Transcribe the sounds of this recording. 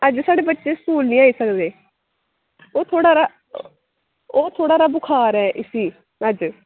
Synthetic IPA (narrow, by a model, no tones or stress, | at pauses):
əd͡ʒsaːɽeːbətːʃeːskuːlnĩːaːiːsəkd̪eː | oːt̪ʰoːɽaːɾaː | oːt̪ʰoːɽaːɾaːbʊkʰaːɾɛːʔɪsiː | əd͡ʒ